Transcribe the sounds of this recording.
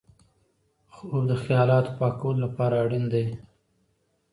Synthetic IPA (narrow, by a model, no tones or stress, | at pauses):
xod̪əxjɑlɑt̪o̥pɑkawəlolapɑɾaːɽind̪e